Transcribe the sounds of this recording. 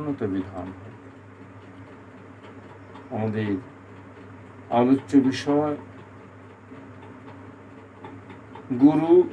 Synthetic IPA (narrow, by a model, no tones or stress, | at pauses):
not̪abid̪ʱanɦ | amad̪eɾ | alot͡ɕːobiʃɔee | ɡuɾu